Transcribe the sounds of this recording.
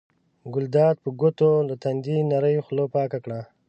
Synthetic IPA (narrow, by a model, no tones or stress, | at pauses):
ɡʊld̪ɑːd̪̚pəɡʊt̪olət̪and̪inaɾəjxlopɑːkakɽa